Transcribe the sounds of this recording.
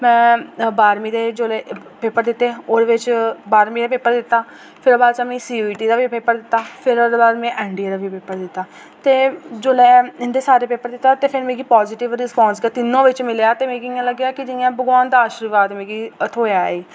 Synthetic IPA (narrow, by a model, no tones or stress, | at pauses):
mɛ̃ːbaːɾmiːd̪eːd͡ʒoːleː | peːpːəɾd̪ɪt̪ːeːoːɾʋɪt͡ʃbaːɾmiːd̪eːpeːpːəɾd̪ɪt̪ːaː | pʰɪɾbaːd̪t͡ʃaːmẽːsiːiːʈiːd̪aːʋipeːpːəɾd̪ɪt̪ːaːpʰɪɾod̪baːd̪mɛ̃ːʔɛːɳɖiəd̪aʋiːpeːpːəɾd̪ɪt̪ːaː | t̪eːd͡ʒoːlɛːɪnd̪eːsaːɾeːpeːpːəɾd̪ɪt̪ːaːt̪eːpʰɪɾmẽːɡiːpɔːzɪːʈɪʋɾɪspɔ̃ːnsɡeːt̪ɪnːõːʋɪt͡ʃmɪlejaːt̪eːmẽːɡijãːləɡjaːkɪd͡ʒɪãːbəɡʋãːnd̪aːʃɾuʋaːd̪mẽːɡiːət̪ʰoːjaːeː